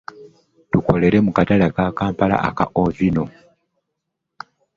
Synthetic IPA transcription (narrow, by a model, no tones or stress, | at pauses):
tuko̞le̞ɾe̞mukatalakakaːmpala̰ʔa̰ka̰ʔovino̞